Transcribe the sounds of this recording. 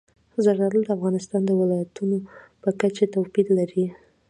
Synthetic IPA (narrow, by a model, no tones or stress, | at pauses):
zaɾaɾəld̪əafɣɑnɪst̪ɑnd̪əwɪlɑjat̪unopəkat͡ʃet̪awpid̪laɾi